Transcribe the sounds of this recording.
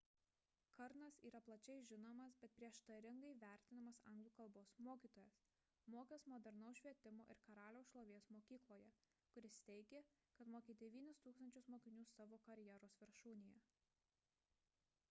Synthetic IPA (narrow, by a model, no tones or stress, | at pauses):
kɐɾnɐsiːɾɐplˠɐt͡ʃʲɛɪʒʲɪnoːmɐsbʲɛt̪̚pʲɾʲiɛʃt̪ɐɾʲɪŋɡɐɪʋʲæˑɾʲt̪ʲɪnɐmɐsɐ̰ˑŋɡlˠuːkɐlˠboːsmoːkʲiːt̪oːjɛs | moːkʲesmoːd̪ʲɛɾnɐʊʃʲʋʲiɛt̪ʲɪmo̰ːʔɪ̰ɾkɐɾɑːlʲoʊsʃlˠoːʋʲeːsmoːkʲiːklˠoːjɛ | kʊɾʲɪst̪ʲɛɪɡʲekɐt̪moːkʲeːd̪ʲɛʋʲiːnʲɪst̪uːksɐnʲt͡ʃʲʊsmoːkʲɪnʲuːsɑːʋoːkɐɾʲjɛɾoːsʋʲɪɾʃuːnʲɪjɛ